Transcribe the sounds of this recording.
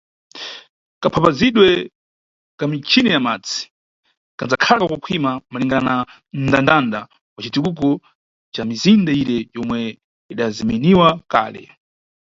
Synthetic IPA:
kapʰapaziɗwɛ | kamit͡ʃʰinɛjamat͡si̥ | kand͡zakʰalakakukʰwimamaliŋɡanana | ndandanda | wat͡ʃitikuk̬ɔ | t͡ʃamizindaiɾɛjɔmwɛ | iɗazimɛniwaka̰ːlɛ̰

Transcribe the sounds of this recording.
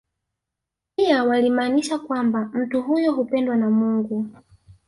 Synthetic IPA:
pijawalimaːniʃakwambam̩tuɦujɔɦupɛndwanamuːŋɡu

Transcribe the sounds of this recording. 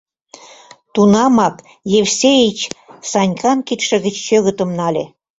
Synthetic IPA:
t̪unɑmɑk | jefsʲejit͡ɕsɑnʲkɑnkit̪ʃə̆ɣə̆t͡ɕːøɣə̆t̪ə̆mnɑlʲḛ

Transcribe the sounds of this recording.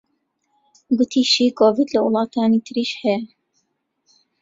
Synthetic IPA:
ɡʊt̪ʰiːʃiːkʰoːvid̪lɐwɨlˠɑːt̪ʰaːniːt̪ʰɨɾiːʃhɛjɛ

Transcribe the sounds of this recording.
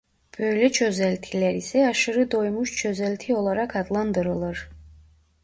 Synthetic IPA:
b̥øjlɛt͡ʃʰøzælʲt̪ʰilæɾisɛɑʃɯɾɯd̪o̞jmuʃt͡ʃʰøzælʲt̪ʰio̞lˠɑɾɑkʰɑd̪lˠɑnd̪ɯɾɯlˠɯɾ

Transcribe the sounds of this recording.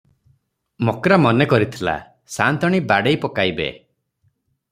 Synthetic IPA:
mokɾamɔnekɔɾit̪ʰila̰ | sant̪ɔɽ̃ibaɽejpɔkajbḛ

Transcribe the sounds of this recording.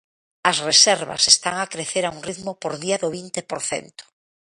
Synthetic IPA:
ɐsresɛɾβa̰sest̪aŋakɾeθeɾauŋriðmʊpoɾðiɐðʊβint̪epoɾθḛnt̪ʊ̥

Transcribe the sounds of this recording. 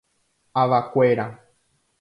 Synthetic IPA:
aʋakʷeɾa

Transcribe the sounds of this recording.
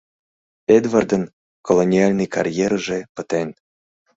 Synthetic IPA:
ed̪vard̪ɤ̆n | kolˠonʲialʲnɨjkarʲjeɾʐĕpət̪enʲ

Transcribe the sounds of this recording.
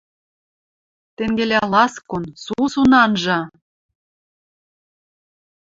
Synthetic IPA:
t̪eŋɡelʲælɑskonsusunɑnʒɑ

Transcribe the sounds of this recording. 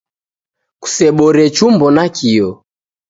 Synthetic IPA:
ku̥sɛɓɔɾɛt͡ʃumbɔnakʰiɔ

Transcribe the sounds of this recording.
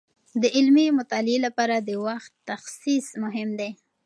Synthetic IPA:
d̪əʔɪlmimʊt̪ɑlɪelapɑɾad̪əwaxt̪ːaxsismʊɦɪmd̪e

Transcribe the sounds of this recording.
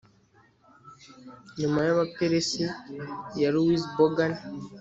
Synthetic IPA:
ɲumajaβapeɾesejaɾuwisbɔɡan

